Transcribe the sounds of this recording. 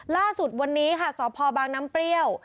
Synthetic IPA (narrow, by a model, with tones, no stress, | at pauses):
laː˥˩su˨˩t̪̚wa˧nːiː˦˥kʰa˥˩sɔː˩˦pʰɔː˧baː˧ŋnaː˦˥mpɾi˥˩əw